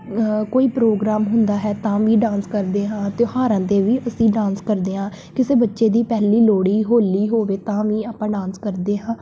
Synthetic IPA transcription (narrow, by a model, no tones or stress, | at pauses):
koːiːpɾoːɡɾaːmɦʊnd̪aːɦɛːt̪ãːʋĩːɖãːnskəɾd̪eːɦãːt̪ehaːɾãːt̪eːʋiːʔəsĩːɖãːnskəɾd̪eːɦãː | kɪseːbətːʃeːd̪iːpɛːliːloːɽiːɦoːliːɦoːʋeːt̪ãːʋĩːaːpãːɖãːnskəɾd̪eːɦãː